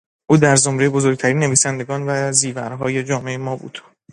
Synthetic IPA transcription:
ʔuːd̪æɾzo̞mɾe̞jebo̞zo̞ɾɡ̚t̪ʰæɾiːnːe̞viːsænd̪e̞ɡɒːnvæziːvæɾɦɒːje̞d͡ʒɒːme̞emɒːbṵːd̪̥

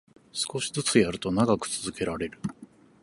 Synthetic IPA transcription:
sɨ̥ko̞ɕi̥zɨt͡sɨjaɾɯ̟t̪o̞naɡakɯ̟̥t͡sɨzɨke̞ɾaɾe̞ɾɯ̟

